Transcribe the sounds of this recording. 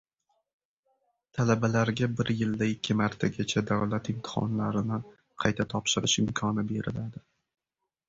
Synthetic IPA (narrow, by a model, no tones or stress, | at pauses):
t̪ʰalabalaɾɡʲabɪɾjɪld̪aɪkʲːɪmaɾt̪ʰaɡʲat͡ʃʰad̪awlat̪ɪmt̪ʰɪ̥χɒ̰nlaɾɪnɪ | qʰɑjt̪ʰat̪ʰɒpʃɪɾɪʃɪmkʰɒnɪbe̞ɾɪ̰lad̪ɪ